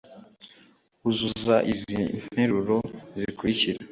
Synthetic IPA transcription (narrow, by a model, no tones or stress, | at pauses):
uzuzaʔizineɾuɾozikwiciɾe